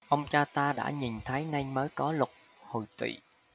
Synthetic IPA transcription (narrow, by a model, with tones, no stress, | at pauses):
ʔə˧wŋ͡mt͡ɕaː˧t̪aː˧ɗa̰ː˧˥ɲi˨˩nt̪ʰə˨˦jna˧jməː˨˦jkɔ˨˦lʊ˨˩k͡p̚ | ho˨˩jt̪wḭ˧˨